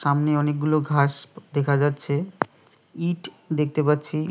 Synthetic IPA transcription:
amneɔnek̚ɡuloɡʱaʃd̪ekʰad͡ʑatːɕʰe | iʈ | d̪ek̚ʰt̪epatːɕʰi

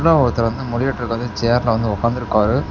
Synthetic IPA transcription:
ɽɐ̃ɔɾɯt̪ːɪlɐʋɐnd̪ɯmɔɽɪjɐʈːɪɾɯkːɐðɯt͡ʃeːɐɾlɐʋɐnd̪ɯɔkːaːnd̪ɪɾɯkːaːɾɯ

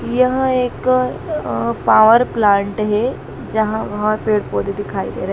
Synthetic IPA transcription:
jɐɦeːk | paːʋəɾplãːɳʈɦe | d͡ʒɐɦãʋɐɦə̃peːɽpoːd̪id̪ɪkʰaːḭd̪ḛːɾɐɦ

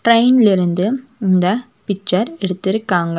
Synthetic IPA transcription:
ʈɾɐɪnlɪɾɯnd̪ɯɪnd̪ɐ | pɪt͡ʃːɐɾɛɽɯt̪ːɪɾɯkːaːŋɡɐ

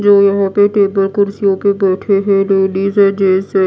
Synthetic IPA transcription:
d͡ʒoːjɐɦãpeʈeːbəlkʊɾsjopebɛːʈʰeɦɛleːɖiːzɛd͡ʒeːse

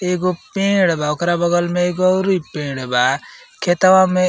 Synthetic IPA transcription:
eɡopẽːɽbaokɾabəɡəlmẽeɡoɔɾipẽːɽba | kʰet̪əʋãmẽ

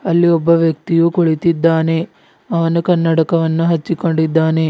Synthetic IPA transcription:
ɐlːiɔbːɐʋjɐk̚t̪ijukoɭit̪id̪ːaːne̞ | ɐʋɐnukɐnːɐʈɐkɐʋɐnːuɦɐt͡ʃːiko̞ɳɖid̪ːaːne̞

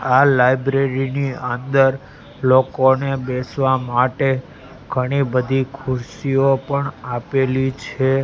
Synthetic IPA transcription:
alajbɾeɾiniənd̪əɾ | lokonebesʋamaʈe | ɡ̥ʱəɽ̃ibəd̪ʱikʰʊɾsiopəɳapelit͡ʃʰe

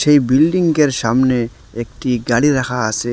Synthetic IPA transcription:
ʃejbilɖiŋkeɾsamne | ek̚ʈiɡaɽiɾakʰaːse

